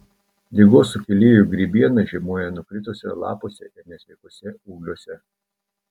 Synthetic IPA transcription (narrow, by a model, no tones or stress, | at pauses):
d̪ʲɪɡoːsʊkʲɛlʲiːjuɡɾʲiːbʲiɛnɐʒʲiɛmuɔjɛnʊkɾʲɪt̪oːsʲɛ̰lˠɑ̰ːpoːsʲɛʔɛɾnʲɛsʲʋʲɛɪkuɔsʲɛuːɡlʲuɔsʲɛ